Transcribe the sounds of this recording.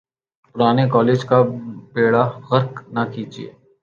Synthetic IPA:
pʊɾaːnekɔːleːd͡ʒkapeːɽaɣɐɾknɐkiːd͡ʒḭḛː

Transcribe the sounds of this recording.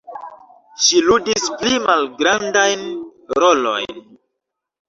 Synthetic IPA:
ʃiludisplimalɡɾandajnɾolo̞̰jn

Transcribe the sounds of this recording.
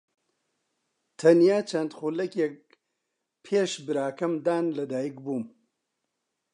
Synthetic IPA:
t̪ʰɐnjaːt͡ʃʰɐnd̪xulɐkjek̚ | pʰeːʃbɨɾaːkɐmd̪aːnlɐd̪aːjikbuːm

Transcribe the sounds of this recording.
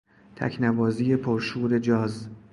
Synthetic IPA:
t̪ʰæ̰cʰnæbɒːziːje̞pʰoɾʃuːɾe̞d͡ʒɒːz

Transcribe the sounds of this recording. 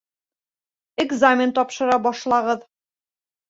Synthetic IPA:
eɡzamʲɪnt̪ɒpʃɤ̆ɾɑbɒʃlˠɑʁɤð

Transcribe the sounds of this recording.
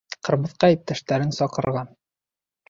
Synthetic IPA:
qɤ̆ɾmɤ̆ðqɑip̚t̪æʃt̪æɾɘnsɒqɤ̆ɾʁɑn

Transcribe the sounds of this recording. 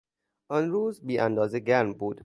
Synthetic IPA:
ɒnɾuːzbiːʔænd̪ɒːzeɡæɾmbuːd̪

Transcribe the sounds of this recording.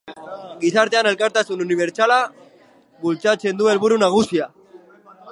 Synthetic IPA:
ɡisaɾt̪e̞ane̞lkaɾt̪asununiβ̞e̞ɾt͡sala | βult͡sat͡se̞nd̪ue̞lβuɾunaɣ̞usia

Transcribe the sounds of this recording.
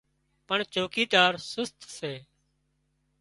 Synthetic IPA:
pəɳt͡ʃoːkiːt̪aːɾsʊst̪ʰseː

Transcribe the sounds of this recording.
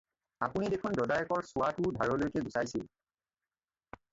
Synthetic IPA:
apunidekʰʊndɔdajɔkɔɹsʊwatʊdʱaɹɔlojkɛɡusajsil

